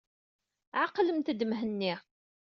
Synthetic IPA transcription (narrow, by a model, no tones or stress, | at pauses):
ʕaqləmt̪əd̪əmɦənːi